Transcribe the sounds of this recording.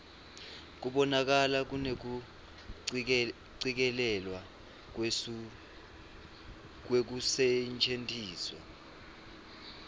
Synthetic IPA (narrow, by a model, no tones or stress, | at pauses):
k̬uɓɔnak̬alak̬unek̬u | ǀik̬ɛlɛlwa | k̬wek̬usɛnt͡ʃʰentʰʼiːswa̰